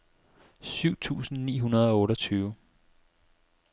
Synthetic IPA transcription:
syʊ̰t͡sʰṵːsn̩nḭːɦunɐð̞ˠɒ̽ɔ̽ːɾɒt͡sʰyːʊ

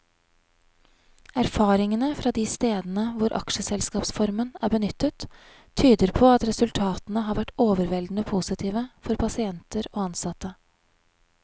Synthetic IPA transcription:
æɾfɑːɾɪŋənəfɾɑːd̪iːst̪eːd̪nəʋʊɾʔɑ̰kʃəsɛlskɑːpsfɔɾmənæːɾbənʏt̪ːət̪ʰː | yːd̪əɾpʰoːɑt̪ɾɛsʉlt̪ʰɑːt̪nəɦɑːɾʋæʈːoːʋəɾʋɛld̪n̩əpʰusɪt̪ʰiːʋəfɔɾpʰɑsɪɛnt̪əɾoːɑnsɑt̪ə

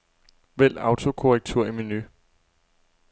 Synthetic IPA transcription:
ʋel̰ɑ̈ʊt͡sʰo̝kʰo̝ʁɛɡ̥̚t͡sʰuɐ̰iminy

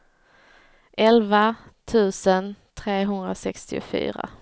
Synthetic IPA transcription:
ʔɛlvat̪ʰʉ̟ːsənt̪ʰɾeːɦɵnd̪ɾasɛkst̪ɪʊfy̰ːɾa̰

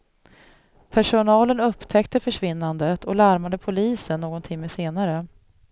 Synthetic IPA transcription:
pʰæʂʊnɑːlənɵpːt̪ʰɛkt̪əfœʂvɪnːand̪ət̪ʰɔlaɾmad̪əpʰʊliːsənːoːɡɔnt̪ʰɪmːəseːnaɾə

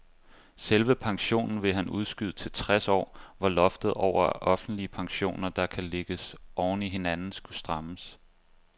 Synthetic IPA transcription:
selʋəpʰɑ̈ŋɕo̝̰ːnn̩ʋe̝ɦænuð̞ˠsɡ̥yð̞ˠt͡sʰe̝lt͡sʰʁasɒ̰ːʋɑ̈lɒ̽fd̥ð̞̩ˠɒʊ̰ɐʔɒ̽fn̩d̥liəpʰɑ̈ŋɕo̝̰ːnɐd̥ɑ̈kʰæle̝ɡ̥əsʔɒʊn̩iɦe̝nænn̩sɡ̥usd̥ʁɑ̈məs

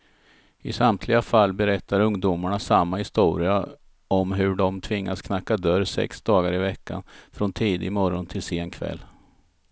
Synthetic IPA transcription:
ɪsamt̪ʰlɪɡafalːbɛɾɛt̪ːaɾɵŋd̪umaɳasamːahɪst̪uːɾɪa | ɔmɦɵɖɔmt̪ʰvɪŋːaskʰnakːad̪œɾsɛ̰ksd̪ɑːɡaɾɪvɛkːa̰nfɾɔnt̪ʰiːd̪ɪɪmɔɾɔnt̪ʰɪlsɪːnkʰvɛ̰lː

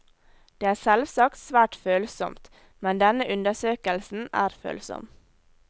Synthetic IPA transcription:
d̪̥eːæːsɛlʋsɑkt̪sʋæːʈføːlsɔ̰mt̪ | mɛnd̪ɛnəʔʉnd̪əsøːkəlsn̩æ̰ːɾfø̰ːlsɔ̰m

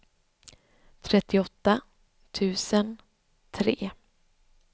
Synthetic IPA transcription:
t̪ʰɾɛt̪ːɪɔt̪ːa | t̪ʰʉ̟ːsən | t̪ʰɾeː

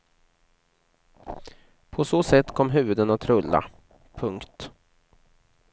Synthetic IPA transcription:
pʰɔsoːsɛt̪ːkʰɔmːɦʉ̟ːvɵd̪ənat̪ʰɾɵlːa̰ | pʰɵŋkt̪

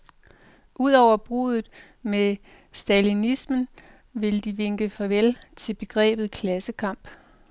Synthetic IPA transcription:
ʔuð̞̰ˠɒʊ̰ɐb̥ʁṵːðˠð̩ˠ | me | sd̥ælinismən | ʋe̝ld̥iʋe̝ŋ̰ɡ̥əfɒʋelt͡sʰe̝lb̥e̝ɡ̥ʁɛ̰ːb̥ð̩ˠkʰlæsəkʰɑ̈m̰b̥

